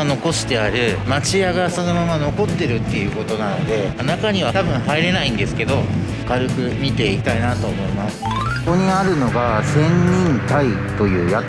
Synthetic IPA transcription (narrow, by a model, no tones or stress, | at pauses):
ano̞ko̞ɕi̥t̪e̞aɾɯ̟mat͡ɕiaɡaso̞no̞mamano̞ko̞t̪ːe̞ɾɯ̟t̪ːe̞jɯ̟ːko̞t̪o̞nanod̪e̞anakaɲ̟iβ̞at̪abɯ̟̃ɰ̃ɦaiɾe̞naĩnd̪e̞sɨ̥ke̞d̪o̞ | kaɾɯ̟kɯ̟mʲit̪e̞ikʲi̥t̪ainat̪o̞ːmo̞imasɨ̥ | oɲ̟iaɾɯ̟no̞ɡasẽ̞ɲɲĩnt̪ait̪o̞jɯ̟ːja